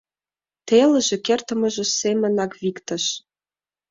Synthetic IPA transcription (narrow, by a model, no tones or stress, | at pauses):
t̪elə̆ʒĕkert̪ə̆mɤ̆ʒĕsemə̆nɑkβikt̪ə̆ʃ